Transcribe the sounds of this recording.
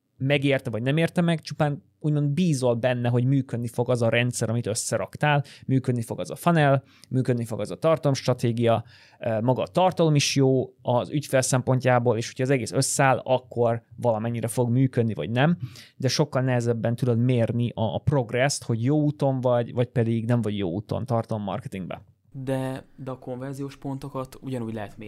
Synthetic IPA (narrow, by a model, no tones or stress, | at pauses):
mɛɡeːrt̪ɛvɒɟnɛmeːrt̪ɛmɛɡt͡ʃupaːn | uːɟmo̞nd̪biːzo̞lbɛnːɛɦo̞ɟmyːkød̪nifo̞ɡɒzɒɾɛnt̪sɛɾʔɒmit̪ø̞sːɛɾɒ̰kt̪aːlmyːkø̞d̪nifo̞ɡɒzɒ̰fɒnɛl | myːkød̪nifo̞ɡɒzɒt̪ɒrt̪ɒlo̞mʃt̪rɒt̪eːɡijɒ | mɒɡɒːt̪ɒrt̪ɒlo̞miʃjoːɒzycfeːlsɛmpo̞ɲcaːboːleːʃocʰɒːzɛɡeːsø̞sːɛaːlɒkːo̞rvɒlɒmɛɲːiɾɛfo̞ɡmyːkø̞d̪nivɒ̰ɟnɛmd̪ɛʃo̞kːɒlnɛɦɛzɛbːɛnt̪ud̪o̞d̪meːrniʔɒpro̞ɡrɛst̪ho̞ɟjoːut̪o̞ɱvɒɟvɒcpɛd̪iɡnɛɱvɒɟjo̰ːṵːt̪o̰nt̪ɒrt̪ɒlo̞mːɒ̰rkɛt̪iŋɡbɛ̰ | d̪ɛd̪ɛɒko̞ɱvɛrzijoːʃpo̞nt̪o̞kɒt̪uɟɒnuːɟlɛɦɛt̪me